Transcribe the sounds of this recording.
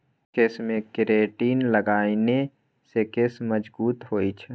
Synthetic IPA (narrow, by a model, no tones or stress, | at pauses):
kesmẽkɪɾeːʈiːnləɡaːine | sekesməd͡ʒbuːt̪ɦoːit͡ʃʰ